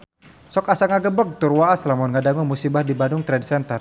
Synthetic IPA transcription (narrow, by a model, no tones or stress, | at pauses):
sɔkasaŋaɡəbək̚t̪urwaaslamʊnŋadaŋumusibahdibandʊŋt̪ɾɛdsɛnt̪ər